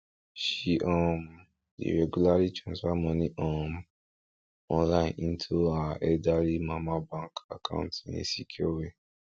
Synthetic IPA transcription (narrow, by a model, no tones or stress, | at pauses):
ʃiʔɔ̃m | dḭɾɛɡulaɾit͡ʃãswamɔ̃nĩʔɔ̃m | ɔ̃nlaĩnĩntʰuaɛdaɾimãmãbãŋka̰kã̰ʊ̃ntĩnḭ̃sikʰiowe